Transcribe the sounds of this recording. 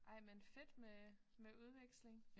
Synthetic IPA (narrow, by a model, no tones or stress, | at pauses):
ʔɑ̈ɪmenfe̝d̥memeuð̞ˠʋeɡ̥sle̝ŋ